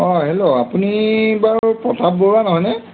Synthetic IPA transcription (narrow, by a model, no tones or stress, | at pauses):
ɔɦeloapunibaɹpɹɔtʰabːoɹanɔɦɔjnɛ